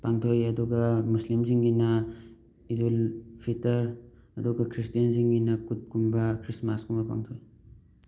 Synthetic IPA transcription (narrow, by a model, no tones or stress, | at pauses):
paŋtʰojɐduɡɐmuslimziŋɡinɐ | idulpʰitɐɾ | ɐduɡɐkʰɾistijɐnziŋɡinɐkut̚kumbɐkʰɾismaskumbɐpa̰ŋtʰoj